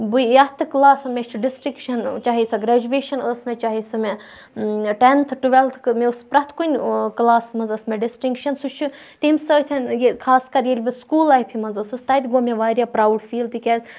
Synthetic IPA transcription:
buɐt̪ʰɨklaːsɨmʲet͡ʃʰuɖisʈiŋkʃɐnt͡ʃaːɦisɐɡɾad͡ʒuʋeːʃɐnəːsmʲet͡ʃaːɦisɐme | ʈent̪ʰɨʈuʋelt̪ʰmeuspɾɐt̪ʰkunʲklaːsmɐnzɐsmʲeɖisʈiŋkʃɐnsut͡ʃʰu | t̪iimʲsəːt̪ʰʲɐnjekʰaːskɐɾjelʲbiskuːlaːipʰimɐnzəsɨst̪ɐːjt̪ʲɡoːmʲeʋaːɾʲjaːpɾaːwɖfiːlt̪ikʲeːz

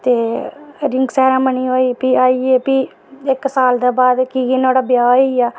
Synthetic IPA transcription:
t̪eːɾɪ̃ŋɡsɛːɾãːməniːɦoːiːpiːaːiːeːpi | ɪksaːld̪eːbaːd̪kiːɡinoːɽaːbjaːoiaː

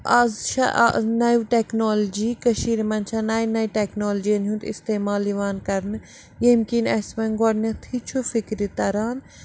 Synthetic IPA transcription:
ʔazʃɐ̰ʔnɐʋʈeknoːld͡ʒikɐʃiːɾmɐnt͡ʃʰɐnaːjnɐjʈeknoːld͡ʒiɐnɦunt̪ḭst̪eːmaːliʋaːnkɐɾnɨ | jemkinɐsmɐnɡɔɽnɐt̪ʰit͡ʃʰufikɾit̪ɐɾaːn

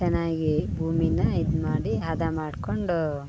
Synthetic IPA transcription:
ɐnːaːɡibʱuːminɐid̪maːɽiɦɐd̪ɐmaːɽkoɳɖu

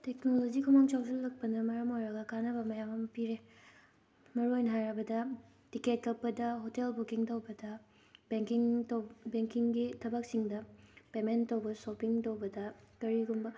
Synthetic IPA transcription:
teknolod͡ʒikʰumaŋt͡ʃawzɐlːɐk̚pɐnɐmɐɾɐmojɾɐɡɐkanɐbɐmɐjamɐmɐpiɾe | mɐɾuojnɦaɾɐbɐdɐ | tiket̚kɐpːɐdɐɦotelbukiŋtowbɐdɐ | beŋkiŋtbeŋkiŋɡitʰɐbɐk̚siŋdɐpementːɐwbɐsopiŋtowbɐdɐkɐɾiɡumbɐ

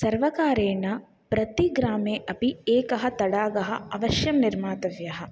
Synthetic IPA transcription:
sɐɾʋɐkaːɾeːɳɐ | pɾɐt̪iɡɾaːmeːʔɐpieːkɐɦɐ̆t̪ɐɽaːɡɐɦɐɐʋɐʃjɐmniɾmaːt̪ɐʋjɐɦɐ

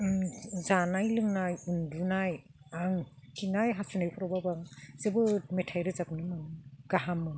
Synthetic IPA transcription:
zanajlɯŋnajundunaj | aŋkʰinajɦasunajpʰɔɾababazebɯmetʰajɾɯzap̚nɯmɯnɡ̥aɦamːɯ

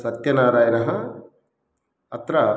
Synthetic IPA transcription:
sɐt̪jɐnaːɾaːjɐnɐɦɐ | ɐt̪ɾɐ

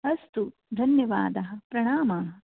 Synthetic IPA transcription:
ɐst̪u | d̪ʱɐnjɐʋa̰ːd̪ɐɦɐ̆pɾɐɳaːmaːɦɐ

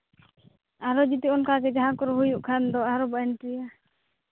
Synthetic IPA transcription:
aɾɔd͡ʒit̪iɔnkaɡɛd͡ʒaɦakɔɾɔɦujuʔkʰand̪ɔaɾɔbaɛnʈɾija

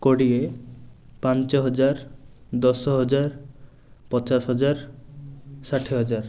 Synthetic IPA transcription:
koɽie | pant͡ʃɔɦɔd͡ʒaɾd̪ɔsɔɦɔd͡ʒaɾ | pɔt͡ʃasɦɔd͡ʒaɾ | saʈʰeɦɔd͡ʒaɾ

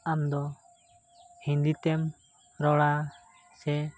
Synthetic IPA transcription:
amd̪ɔ | hĩnd̪it̪ɛm | ɾɔɽa | sɛ

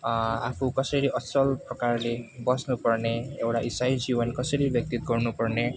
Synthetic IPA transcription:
apʰukʌsʌɾiʔʌsʌlprɔkarlebʌsnupʌrneewʈaʔisajd͡ʒibʌnkʌsʌɾibjʌk̚t̪it̪ɡʌrnupʌrne

